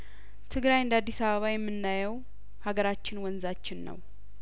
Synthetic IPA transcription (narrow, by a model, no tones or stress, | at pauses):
t̪ʰɨɡɾajɨnd̪ad̪ːisaβəβajɛmːɨnːajɛw | haɡəɾat͡ʃːɪnwɔnzat͡ʃːɪnːə̰w